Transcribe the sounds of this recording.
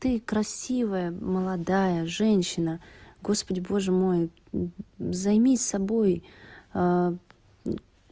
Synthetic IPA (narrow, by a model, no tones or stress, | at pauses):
t̪ɨkɾɐsʲivəjəməlˠɐd̪ajəʐɛnʲɕːɪnəɡo̞spədʲɪbo̞ʐɨmo̞j | zɐjmʲisɐbo̞j